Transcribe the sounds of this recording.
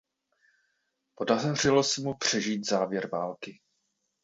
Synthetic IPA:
po̞dar̝ɪlo̞sɛmupr̝̥ɛʒiːt̪zaːvjɛɾvaːlkɪ

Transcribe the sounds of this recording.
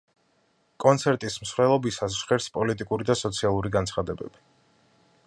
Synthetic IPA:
kʼɔnt̪sʰɛɾt̪ʼism̩sɾɛlˠɔbisas̬ʃχɛɾspʼɔlit̪ʼikʼuɾid̪asɔt̪sʰialˠuɾiɡansʰχad̪ɛbɛ̰b̥i

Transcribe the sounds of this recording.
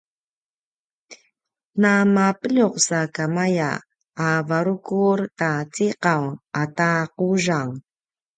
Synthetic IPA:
namapəʎuqsakamaja̰ː | vaɾukuɾtat͡siqawataquʐaŋ

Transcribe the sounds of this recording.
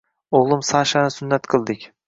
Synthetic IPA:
oʁlˠɨmsaʃanɪsʊnːat̪qʰɨlˠd̪ɪkʲ

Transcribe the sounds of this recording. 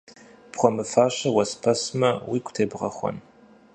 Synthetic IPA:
pχʷɔmɨfaːɕɐwɐspʰɐsmɐwiːkʷʊ̥tʰeːbʁɐ̰xʷɔ̰n

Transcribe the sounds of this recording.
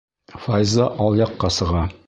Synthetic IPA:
fɑjzɑʔɒlˠjɑqːɑsɤ̆ʁɑ

